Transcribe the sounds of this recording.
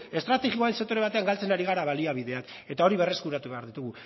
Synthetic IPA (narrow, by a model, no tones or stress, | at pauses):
e̞st̪ɾat̪e̞ɣioaensek̚t̪o̞ɾe̞β̞at̪e̞aŋɡalt͡se̞naɾiɣ̞aɾaβaliaβ̞iðe̞ak | e̞t̪ao̞ɾiβe̞re̞skuɾat̪uβe̞aɾðit̪uɣu